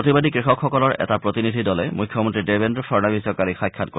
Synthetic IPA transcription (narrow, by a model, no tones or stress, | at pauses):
ot̪ibad̪ikɹixɔkxɔkɔlɔɹɛ̰tapɹot̪inid̪ʱidɔlɛmujkʰːjɔmont̪ɹidebendɹɔfʰɔɹnabisɔkalixajkʰːat̚ko